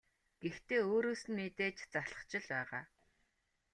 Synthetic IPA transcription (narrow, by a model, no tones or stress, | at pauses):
ɡ̥ext̪ʰeːoːɾoːsɘ̆nmet̪eːt͡ɕt͡saɮə̆t͡ɕɪ̆ɮpæːʁaː